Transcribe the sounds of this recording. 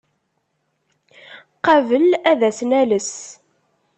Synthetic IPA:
qɑvəlæðæsnæləs

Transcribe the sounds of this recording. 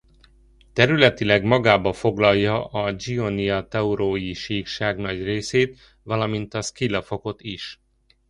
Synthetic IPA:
t̪ɛɾylɛt̪ilɛɡmɒɡaːbɒfo̞ɡlɒjːɒʔɒd͡ʒioniɒt̪ɛuɾoːjiʃiːkʃaːɡnɒɟreːseːt̪ | ʋɒlɒmint̪ɒskilːɒfo̞ko̞t̪iʃ

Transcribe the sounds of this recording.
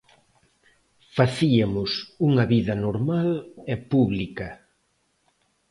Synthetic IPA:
faθiamʊsuŋɐβiðɐnoɾmalɛpuβlikɐ

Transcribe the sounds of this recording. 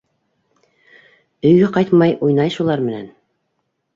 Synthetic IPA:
ɵ̆jɡæqɑjt̪mɑjʔujnɑjʃulˠɑɾmɘ̆næ̰n

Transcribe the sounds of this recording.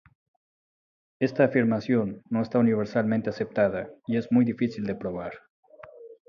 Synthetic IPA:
e̞st̪aːfiɾmasjo̞nːo̞est̪auniβ̞e̞ɾsalment̪ease̞p̚t̪aðaie̞zmujðifisild̪epɾo̞β̞aɾ

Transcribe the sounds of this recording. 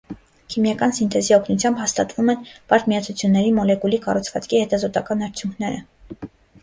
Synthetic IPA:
kʰimjɑkɑnsint̪ʰɛziɔkʰnut͡sʰjɑmbhɑst̪ɑt̪vumɛnpɑɾt̪miɑt͡sʰut͡sʰjunːɛɾimɔlɛkulikɑrut͡sʰvɑt͡skʰihɛt̪ɑzɔt̪ɑkɑnɑɾt͡sʰjuŋkʰnɛɾə̰

